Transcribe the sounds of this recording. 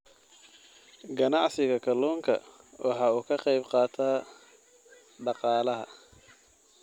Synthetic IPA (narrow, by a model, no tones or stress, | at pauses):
ɡɐnɑʕsɪɣɐkʰɐlɔːŋkʰɐ̰ | wʔɑħɑːuːkʰɐqɑjbqɑːt̪ʰaː | ɖɑqɑːlɐɦɐ